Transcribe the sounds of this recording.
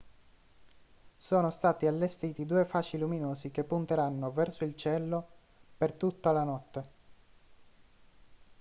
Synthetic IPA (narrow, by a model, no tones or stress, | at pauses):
soːnost̪aːt̪ialːest̪iːt̪id̪uːefaːt͡ʃiluminoːsik̟epːunt̪eɾanːovɛrsoilt͡ʃɛlːo | pert̪ut̪ːalanɔt̪ːe